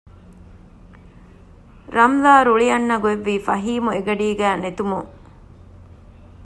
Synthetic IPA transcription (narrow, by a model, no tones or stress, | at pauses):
ɾɐmlaːɾuɭiɐnːɐɡueʋːiːfɐɦiːmueɡɐɖiːɡæːnet̪umuŋ